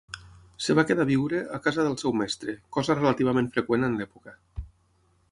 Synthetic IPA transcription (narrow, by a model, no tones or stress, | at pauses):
seβakeðaβiwɾeʔakazaðəlˠsɛwmɛst̪ɾekɔzarelat̪iβ̞amẽnɱfɾekwenənlɛpuka